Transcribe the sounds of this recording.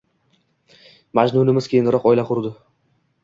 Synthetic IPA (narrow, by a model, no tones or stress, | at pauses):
mad͡ʒnunɪmɪz̥kʲʰejɪnd̪ɪɾɒqɒjlaqʰʊɾd̪ɪ